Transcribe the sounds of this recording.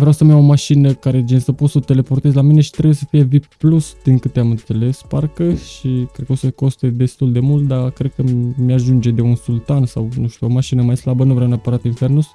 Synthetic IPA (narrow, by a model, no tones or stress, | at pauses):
vɾeawsəmjawo̞maʃinəkaɾed͡ʒinsəpo̞t̪sət̪e̞le̞po̞rt̪ezlamine̞ʃit̪ɾebujesəfije̞viplusd̪̥iŋkɨt̪eamɨnt̪se̞le̞sparkəʃikɾed̪̚kəosəko̞st̪ed̪e̞st̪uld̪e̞mult̪̚d̪akɾe̞d̪̚kəmiaʒund͡ʒe̞d̪e̞unsult̪ansawnũʃt̪uo̞maʃinəmajslabənuvɾeawneapəɾat̪infe̞rnus